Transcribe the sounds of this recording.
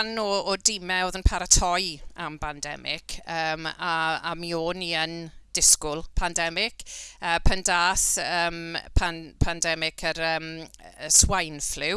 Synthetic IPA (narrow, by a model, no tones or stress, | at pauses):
nɔːdɪmɛoːðənpʰaɾatʰɔjambandɛ̰mɪ̰kʰəːmaa̰mioːniənd̥ɪskʊlˠpʰandɛmɪkəːpʰəndaːsəːmpʰanpʰandɛmɪkʰəɾəːməswajnflɪw